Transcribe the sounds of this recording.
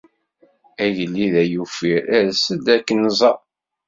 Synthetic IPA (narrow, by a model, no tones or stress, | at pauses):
æjəlːiðæjufiɾæɾsəd̪ækːənzˤɑ